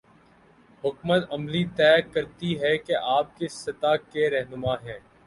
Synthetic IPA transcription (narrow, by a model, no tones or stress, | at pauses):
ɦʊkmət̪ɐmlit̪ɛːkɐɾt̪iɦɛkeʔaːp̚kesɐt̪akeɾɛɦnʊmaɦɛ̃ː